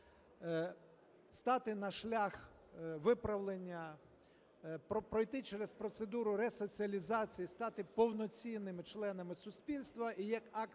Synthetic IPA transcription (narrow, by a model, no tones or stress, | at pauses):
st̪ɑt̪ɪnɐʃlʲax | ʋɪpɾɐʋlˠenʲːɐ | pɔpɾɔjt̪ɪt͡ʃɛɾespɾɔt̪sed̪uɾʊɾɛsɔt͡sʲiɐlʲizɑt͡sʲijist̪ɑt̪ɪpɔwnɔt͡sʲinːɪmɪt͡ʃlˠɛnɐmɪsʊsʲpʲilʲst̪ʋɐʔijɐkɑkt̪